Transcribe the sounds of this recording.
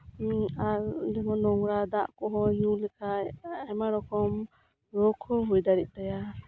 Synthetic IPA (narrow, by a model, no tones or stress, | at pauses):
aɾdɛŋɔnɔŋɾad̪aʔkɔɦɔɲulɛkʰaɛmaɾɔkʰɔm | ɾɔkʰɔɦujd̪aɾit̪̚ˀt̪aja